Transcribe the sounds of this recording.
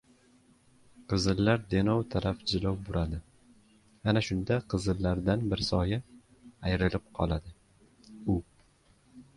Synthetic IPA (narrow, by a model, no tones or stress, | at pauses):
qʰɨzɨlːaɾd̪e̞nɒwt̪ʰaɾafd͡ʒɪlɒwbʊɾad̪ɪ | anaʃʊnd̪aqʰɨzɨlːaɾd̪anbɪɾsɒja | ajɾɪlɪp̚qʰɒ̰lˠad̪ɪ | ʊ